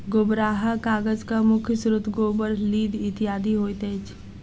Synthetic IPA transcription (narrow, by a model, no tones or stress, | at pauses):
ɡobɾaːɦakaːɡəd͡ʒkamʊkʰjsɾʊt̪ʰɡoːbəɾliːd̪ɪt̪ijaːd̪iɦoːit̪eːt͡ʃʰ